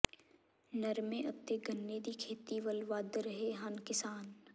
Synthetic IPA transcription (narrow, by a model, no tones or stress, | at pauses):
nɐɾmẽʔɐp̚t̪eɡʱɐnːed̪ikʰeːt̪iʋəlʋaːd̪ɾɐɦeɦankɪsaːn